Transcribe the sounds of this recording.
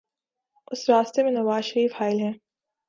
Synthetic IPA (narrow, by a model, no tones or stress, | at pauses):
ʊsɾaːst̪emẽnɐʋaːzʃɐɾiːfhaːɪlɦɛ̃ː